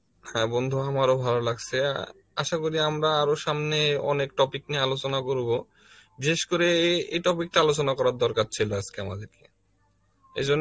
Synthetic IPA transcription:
hɛbɔnd̪ʱuamaɾobʱalolaɡt͡ɕʰe | aʃakoɾiamɾaaɾoʃamneɔ̰nekʈɔpiknialot͡ɕonakoɾbo | biʃeʃkoɾeejʈɔpik̚ʈaalot͡ɕonakɔɾaɾd̪ɔɾkaɾt͡ɕʰiload͡ʑkeamad̪eɾke̥ | ḛd͡ʑonː

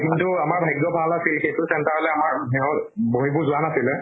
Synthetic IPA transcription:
kintʊamaɹbʱajɡːɔbʱalasilxejtʊsɛntaɹɔlɛamaɹɦɛɔtboɦibuzʊanasilɛ

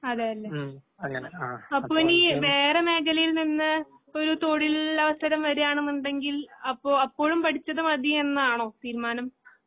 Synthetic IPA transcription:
ɐðaːjɐlːe | ɐpːoːiniːʋe̞ːreme̞ːkʰɐlɐjilninːɨ | o̞ɾut̪o̞ːɽilɐʋɐst̪ʰɐɾɐmʋɐɾejaːɳenːuɳɖe̞ŋɡilɐpːoːɐpːo̞ːɻumpɐʈʰit͡ɕːɐðɨmɐðienːɐaːɳo̞ːt̪iːɾumaːnɐm

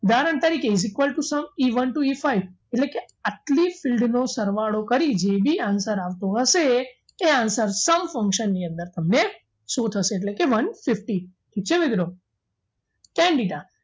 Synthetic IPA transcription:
d̪aɾəɳt̪əɾikeɪs̬ɪkʋəlʈusəmiʋənʈuifaiʋeʈleke | aʈlifɪlɖnosəɾʋaɽokəɾid͡ʒebʱiansəɾaʋt̪oɦəʃeː | ansəɾsəmfə̃ŋkʃənːiə̃nd̪əɾt̪əmne | sot̪ʰəʃeːʈ̬lekeʋənfɪfʈiʈʰiːk̚t͡ʃʰeʋɪd̪ɾo | kɛ̃ɳɖiɖa

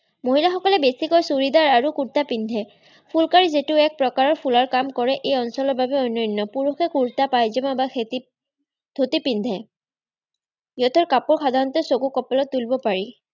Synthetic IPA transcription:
moɦilaxɔkɔlɛbesikɔjsuɹidaɹaɹukuɹtapind̪ʱɛ | pʰulkaɹizetʊɛk̚pɹɔkaɹɔɹpʰulaɹkamkɔɹɛʔejɔnsɔlɔɹbʱabɛɔjnɔjnːɔpuɹuxɛkuɹtapajzɔmabax | d̪ʱotipindʱɛ | jɔt̪ʰɔɹkapuɹxad̪ʱaɹɔntɔsokukɔpɔlɔtːulbɔpaɹi

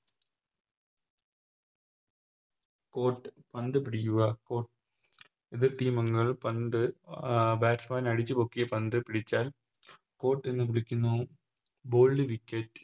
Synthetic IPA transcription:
ko̞ːʈːɨpɐnd̪ɨpiɽikːuɣɐkoːʈ | iðɨʈiːmɐŋːɐɭpɐnd̪ɨ | baːʈsmaːnɐɽit͡ɕːɨpo̞ːkːijɐpɐnd̪ɨpiɽit͡ɕːaːl | ko̞ːʈːenːɨp̬iɽikʲːunːu | bo̞ːɭɖɨʋikʲːɐtː

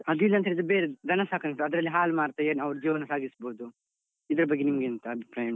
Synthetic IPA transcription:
ɐd̪uilːɐnt̪ɐeid̪ɾbeɾed̪ʱɐnɐsaːkʰɐnɐʈːuɐd̪ɾɐlːiɦaːlmaːɽt̪ɐeːnɐʋɐɾd͡ʒiːʋɐnːɐsaːɡisboːd̪u | id̪ɐɾɐbɐɡːenimɐɡent̪ɐːbʱipɾaːjɐɳ

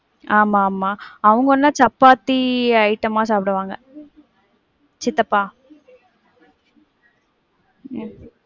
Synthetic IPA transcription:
aːmaːmaːɐʋɐŋɡɐɔnːaːt͡ʃɐpːaːt̪ːiɐɪʈːɐmãːsaːpɪɽɐʋaːŋɡɐ | t͡ʃɪt̪ːɐpːaː

